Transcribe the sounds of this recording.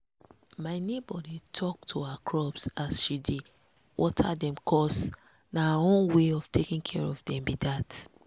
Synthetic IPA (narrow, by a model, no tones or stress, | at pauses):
maɪnebɔditʰɔk̚tʰoakʰɹɔbsasʃide | wʔɔ̰tʰadɛ̃mkʰɔs | naaõnweɔv̥tʰekĩŋkʰɛɹɔvdɛ̃mbidat